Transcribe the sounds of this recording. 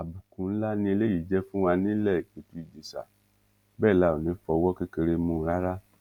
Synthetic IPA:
a˨bu˨kũ˨n̩˦la˦nĩ˧e˧le˦ji˨d͡ʒɛ˦fũ˦w̃a˧nĩ˦lɛ˦˨i˨k͡pe˨tu˦i˦˨d͡ʒe˨sa̰˨ | bɛː˦˨la˨˦o˨nĩ˨˦fɔ˧˦wɔ˦ke˦ke˧ɾe˧mũ˧˦ɾa˦ɾa˦

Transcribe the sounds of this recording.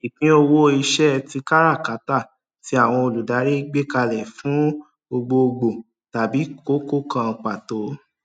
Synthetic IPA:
i˨kĩ˨˦o˧wo˦˧i˧ʃɛ˦˧ti˧˦ka˦ɾa˦˨ka˨˦ta˦˨ | ti˨˦a˦˨w̃ɔ̃˧o˧˨lu˨da˨˦ɾe˦ɡ͡be˦ka˧lɛ˨fũ˨˦ | bo˧ɡ͡bo˧o˧ɡ͡bo˨ | ta˨bi˨˦ko˦ko˦kã˧k͡pa˨to˨˦

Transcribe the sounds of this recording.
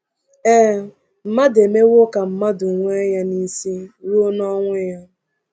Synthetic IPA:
e˦ | m̩˨ma˦de˨me˦wʊ˦ka˨m̩˦ma˦dʊ˨ŋʷe˦ja˦ni˦si˦wu˦o˦nɔ˦ŋʷe˦ja˦

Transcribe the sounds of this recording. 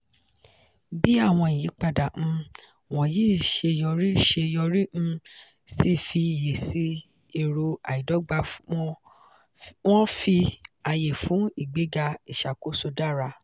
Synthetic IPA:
bi˦a˦˨w̃ɔ̃˧i˨jĩ˨˦k͡pa˧dã˨˧ | w̃ɔ̃˨ji˦˨ʃe˧jɔ˧ɾi˦˨ʃe˧jɔ˧ɾĩ˦˧ | si˦fi˧˨je˨si˦ | i˨ɾo˧a̰˨i˨dɔ˨˦ɡ͡ba˧˦ | w̃ɔ̃˦fi˧a˧je˨fũ˨˦i˦˨ɡ͡be˨˦ɡa˧i˨ʃa˨ko˨˦so˧da˦˨ɾa˧

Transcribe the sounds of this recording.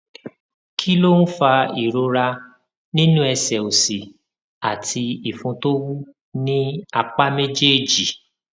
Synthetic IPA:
kʰi˦lo˦ñ̩˦fa˧i˨ɾo˧ɾa˧ | nĩ˦nũ˦ɛ˧sɛ˨o˨si˨ | a˨tʰi˧i˨fũ˧to˦wu˦ | nĩ˦a˧k͡pa˦me˦d͡ʒe˦˨d͡ʒi˨

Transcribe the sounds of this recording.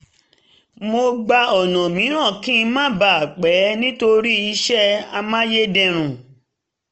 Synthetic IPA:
mo˧ɡ͡ba˧ɔ˨nɔ̃˨mĩ˨˦ɾ̃ã˦˨kĩ˦˧mãː˦ba˨a˨k͡pɛ˨˦nĩ˦to˧ɾi˦i˧ʃɛ˦a˧mã˦je˦dɛ̃˧˨ɾ̃ũ˨

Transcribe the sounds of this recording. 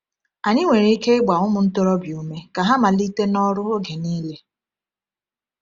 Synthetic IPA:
a˨ɲi˦ŋʷe˨ɾe˦i˦ke˦ɪ˦ɡ͡ba˨ʊ˦mʊ˨n̩˦to˦ɾɔ˦bju˨me˦ka˨ɦa˦ma˨li˦te˦nɔ˦ɾʊ˦o˦ɡe˨niː˦le˦

